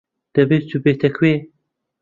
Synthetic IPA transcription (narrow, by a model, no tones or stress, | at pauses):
d̪̥ɐbet͡ʃubet̪ɐkʰweː